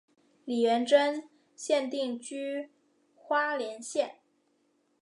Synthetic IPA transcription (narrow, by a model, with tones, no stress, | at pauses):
li˨˩ɥɛ˧˥nʈ͡ʂə˥n | ɕjɛ˥˧nt̪i˥˩ŋt͡ɕy˥ | xwa˥ljɛ˧˥nɕjɛ˥˩n